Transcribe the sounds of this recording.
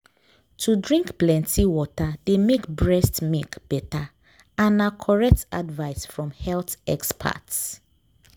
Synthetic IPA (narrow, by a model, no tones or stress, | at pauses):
tʰudɹĩŋkplɛ̃ntʰiwɔtademekbɹɛstmikb̥ɛta | ãnakʰɔɹɛk̚ta̰dvaɪsfɹɔ̃mhɛlθɛkspʰa̰ts